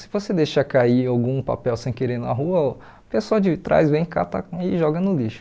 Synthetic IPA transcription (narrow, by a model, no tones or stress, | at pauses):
sɪvosed̪ejʃɐkaiawɡũpa̰pɛwsẽj̃keɾenʊnaɦuɐ | pesoɐd͡ʒɪt̪ɾʔa̰jzvẽj̃ka̰t̪ɐ̰ɪʒɔɡɐnʊliʃʊ̥